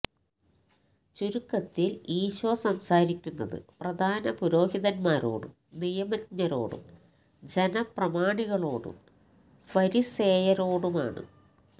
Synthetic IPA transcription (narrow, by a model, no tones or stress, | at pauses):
t͡ɕuɾukːɐt̪ːiliːɕʋɐsɐmsaːɾikʲːunːɐðɨ̰prɐd̪ʱaːnɐpuɾo̞ːɦiðɐnmaːɾo̞̰ːɽṵmnijɐmɐɲɐɾo̞̰ːɽṵm | d͡ʑe̞nɐprɐmaːɳiɣɐɭo̞̰ːɽṵm | ʋɐɾise̞ːjɐɾo̞ːɽuma̰ːɳɨ̰